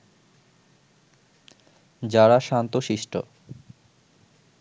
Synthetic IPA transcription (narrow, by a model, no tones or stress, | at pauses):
d͡ʑaɽaʃant̪oʃiʃʈo̰